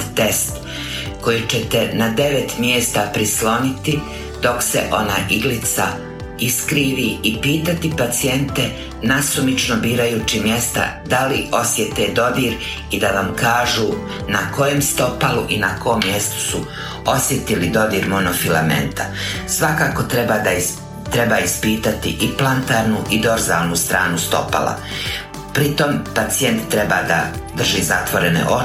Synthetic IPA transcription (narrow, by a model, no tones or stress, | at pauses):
t̪est̪ | ko̞jit͡ʃet̪enad̪e̞ʋet̪mjeːst̪apɾislo̞nit̪i | d̪o̞ksḛʔo̞na̰ʔiɡlit̪sa̰ | iskɾiːʋiipiːt̪at̪ipat̪sie̞nt̪e | nasumit͡ʃnobiːɾajuːt͡ʃimje̞st̪a̰d̪alio̞sjet̪ed̪o̞d̪iːɾ | id̪aʋamkaːʒuː | nako̞je̞mst̪o̞paluʔinakoomːje̞st̪u̥su | o̞sjet̪ilid̪o̞d̪iːɾmonofila̰mḛnt̪ʰa̰sʋakaːko̞t̪ɾeba | t̪ɾebaːispiːt̪at̪iʔiplˠant̪aːɾnuʔid̪o̞ɾza̰ːlnust̪ɾaːnust̪o̞̰pa̰la̰ | pɾit̪o̞mpat̪sije̞nt̪ːɾe̞baːd̪a̰d̪r̩ʒizat̪ʋoɾenḛʔo